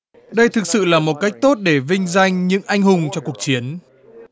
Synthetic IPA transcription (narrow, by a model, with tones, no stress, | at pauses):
ɗə˧jt̪ʰɨ˨˩k̚sɨ̰˧˨laː˨˩mo˨˩t̚ka˦˥jk̚t̪o˦˥t̚ɗe˧˩vï˧ŋ̟za˧jŋ̟ɲɨ̰˧˥ŋʔa˧jŋ̟ɦʊ˨˩ŋ͡mt͡ɕɔ˧ku˨˩ək̚t͡ɕi˨˦ən